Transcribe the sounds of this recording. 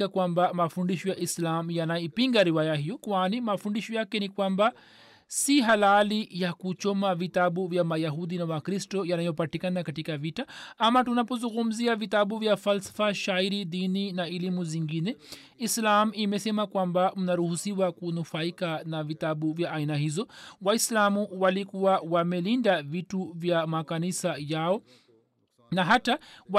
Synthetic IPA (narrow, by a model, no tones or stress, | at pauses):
akwambamafundiʃɔjaʔislamjanajɔipiŋɡaɾiwajaɦijɔkwanimafundiʃɔjakɛnikwamba | siɦalalijakut͡ʃɔmavit̪aɓuvjamajaɦud̪inawakɾistɔjanajɔpatikanakatikavitaamatunapɔzuŋɡum̩ziavit̪aɓuvjafalsḁfaʃaiɾidininaɛlimuziŋɡinɛ | islamimɛsɛmakwambam̩naɾuhusiwakunufaikanavit̪aɓuvjaʔːinahizɔwaislamuwalikuwawamɛlindavituvjamakanisajaɔ | naɦata